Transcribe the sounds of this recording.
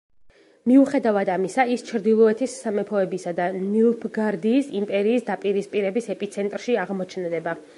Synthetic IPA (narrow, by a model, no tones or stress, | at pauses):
miuχɛd̪avad̪amisaist͡ʃʰɾd̪ilˠɔɛt̪ʰisːamɛpʰɔɛbisad̪anilpʰɡaɾd̪iːsimpʼɛɾiːsd̪apʼiɾispʼiɾɛbisɛpʼit̪sʰɛnt̪ʼɾʃiaʁmɔt͡ʃʰnd̪ɛba